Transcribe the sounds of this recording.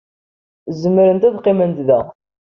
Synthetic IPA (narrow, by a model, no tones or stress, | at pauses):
zəmːəɾənt̪æðqːimənt̪ðæ